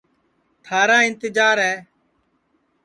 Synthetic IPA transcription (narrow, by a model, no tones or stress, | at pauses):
t̪ʰaːɾãːɪnt̪ɪd͡ʒaːɾɦɛː